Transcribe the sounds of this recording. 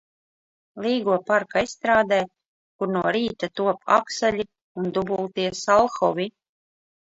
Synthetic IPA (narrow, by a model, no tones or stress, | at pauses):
lˠiːɡuɔpaɾkaisːt̪ɾaːd̪ɛː | kuɾnuɔɾiːt̪at̪uɔpa̰ksalʲi | und̪ubulˠt̪iɛsalˠxɔvi